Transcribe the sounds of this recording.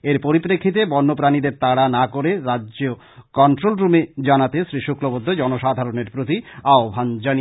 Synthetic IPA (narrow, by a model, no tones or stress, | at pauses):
eɾpoɾipɾekʰːit̪̬ebɔnːop̬ɾanid̪eɾt̪aɽanakoɾeɾaːd͡ʑo | kɔɳʈɾolɾumed͡ʑanat̪esɾiʃukɾobod̪ʱːod͡ʑɔnoʃad̪ʱaɾoneɾpɾot̪iaobʱand͡ʑani